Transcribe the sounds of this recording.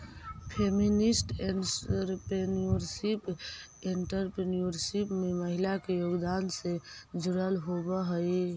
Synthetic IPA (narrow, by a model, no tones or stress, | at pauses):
pʰeminisʈeɾpenioɾsip | eɳʈəɾpɾenijoɾsipmeməɦilakejoɡd̪ansed͡ʒuɾəlɦobəɦəj